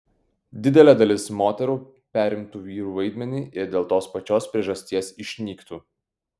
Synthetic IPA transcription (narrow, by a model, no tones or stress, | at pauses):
d̪ʲɪd̪ʲɛlʲɛd̪ɐlʲɪsmoːt̪ʲɛɾuː | pʲæːɾʲɪmt̪uːʋʲiːɾuːʋɐɪd̪ʲmʲɛnʲiːʔɪɾd̪ʲeːlˠt̪oːspɐt͡ʃʲoːspʲɾʲiɛʒɐsʲt̪ʲiɛsɪʃʲnʲiːkt̪uː